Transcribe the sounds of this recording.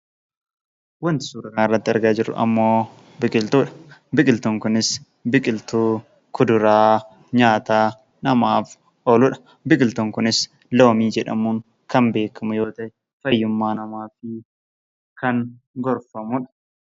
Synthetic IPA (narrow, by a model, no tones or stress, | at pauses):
wɐnt̪ɪ̥suːɾɐkaːɪrːɐt̪ːɪɐɾɡaːd͡ʒɪɾʊ̰ʔɐ̰mːo̞ː | bɪkʼɪlt̪uːᶑɐ̥bɪkʼɪlt̪uːŋkʊnɪs | bɪkʼɪlt̪uː | kʊd̪ʊɾaː | ɲaːt̪aː | nɐmaːf | oːlʊᶑɐ̥ | bɪkʼɪlt̪uŋkʊnɪs | loːmiːd͡ʒɛᶑɐ̰muːŋ | kɐmbe̞ːkʰːɐmʊjo̞ːt̪ɐʔɛ | fɐjːʊmːaːnɐmaːfɪ | kɐŋ | ɡɔɾfɐmʊᶑɐ̥